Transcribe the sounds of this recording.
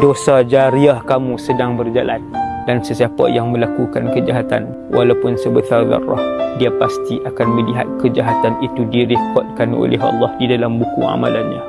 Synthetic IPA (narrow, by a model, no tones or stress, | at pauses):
dosad͡ʒaɾiahkamũsədaŋbərd͡ʒala̰ndansəsiapa̰jaŋmə̃lakukankəd͡ʒaɦat̪a̰n | wʔa̰lawpʊnsəbəsard̪a̰ra̰hdiapast̪iʔakanmə̃liɦa̰t̪̚kəd͡ʒaɦat̪anit̪udiɾipɔt̪̚kano̰lɛ̰ɦɑ̰lːɑhdidalambukṵa̰ma̰lanːã̰